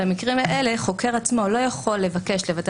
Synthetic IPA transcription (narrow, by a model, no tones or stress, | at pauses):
amikʁimaʔe̞le̞χo̞ke̞ʁat͡smo̞lo̞jaχo̞lːe̞vake̞ʃlevat̪